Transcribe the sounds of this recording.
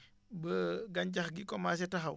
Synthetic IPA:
bəɡɐɲɟɐxɡikɔmaːs̬ɛtɐxɐw

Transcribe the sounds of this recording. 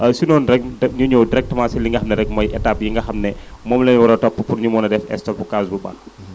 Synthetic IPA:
ɐsinɔːnɾɛk̚ɲuɲɔwdiɾɛk̚tmaːsiliŋɡɐhɐmnɛɾɛk̚mɔjʔɛtapjiŋɡɐhɐmnɛmɔːmlɛnwɐɾɐtɔpːəpunɲumɔːnɐdɛfɛ̰stɔpːukasbuba̰

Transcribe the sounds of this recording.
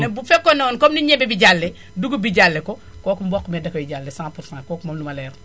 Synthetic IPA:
nɛbufɛkːɔnɔːnkɔmniɲɛbɛbiɟalːɛ | duɡubiɟalːɛkɔ | kɔːkumbɔkːumɛdɐkɔjiɟalːɛsãːpuɾsãːkɔːkumɐmlumɐlɛːr

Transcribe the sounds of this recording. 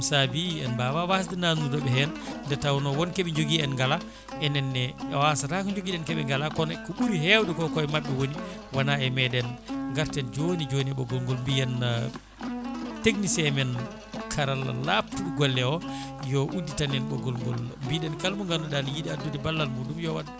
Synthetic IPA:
sabiɛnbawawasdɛnanudɔɓɛɦɛnndɛtawnɔwɔnkɛɓɛɲd͡ʒoɡiɛnŋɡala | ʔɛnɛnːɛɛwasatakɔɲd͡ʒoɡiɗɛnkɛɓɛ̰ŋɡalakɔnɛkɔɓuɾiɦɛwɗɛkɔkɔɛmaɓːɛwoniwanaɛmɛɗɛnŋɡaɾtɛnd͡ʒonid͡ʒoniɛɓɔɡɔlŋɡɔlmbijɛn | teɡnisɛmɛn | kʰaɾala̰lap̚tuɗuɡɔlːɛɔjɔʔudːitanɛnɓɔɡɔlŋɡɔ̰lmbiɗɛnkalmuŋɡalɔɗanjiɗiadːudɛbalːalmudumjɔwaɗa

